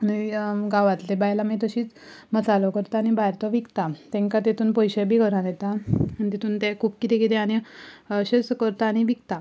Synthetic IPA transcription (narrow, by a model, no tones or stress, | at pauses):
aniɡaʋat̪lebajlamet̪əɕiːt͡s | mət͡salɔkəɾt̪aːñibʱaɾt̪ɔʋikt̪at̪ɛ̃ŋkat̪et̪ʰuːnpɔjɕebʱiːkəɾãd̪et̪amənit̪et̪ʰuːnt̪ɛkʰuːpkit̪ekit̪eaɽ̃iɕesəkəɾt̪aːɽ̃iʋikt̪a